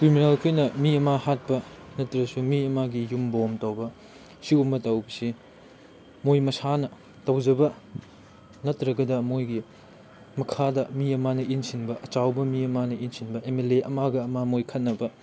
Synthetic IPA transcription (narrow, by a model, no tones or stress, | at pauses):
kɾiminalkʰojnɐmiɐmahat̚pɐnɐtɾɐsumiɐmaɡijumbomtɐwbɐ | siumbɐtɐwbɐsi | mojmɐsanɐ | tɐwd͡ʒɐbɐ | nɐtɾɐɡɐdɐmojɡi | mɐkʰadɐmiɐmanɐʔinsinbɐʔɐt͡ʃawbɐmiɐmanɐʔinsinbɐʔemeleʔɐmaɡɐːmamojkʰɐt̚nɐbɐ